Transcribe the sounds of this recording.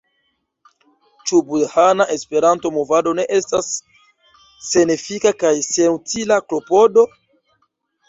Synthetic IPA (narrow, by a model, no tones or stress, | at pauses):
t͡ʃubudhanaʔe̞spe̞ɾanto̞mo̞vado̞ne̞ʔe̞stas | e̞nefikakajse̞nutilaklo̞po̞do̞